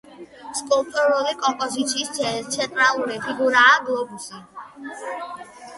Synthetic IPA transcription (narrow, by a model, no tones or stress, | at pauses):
skʼult̪ʼuɾulikʼɔmpʼɔzit̪sʰiːsɛt̪ʰɛnt̪ʼɾalˠuɾipʰiɡuɾaːɡlˠɔbusi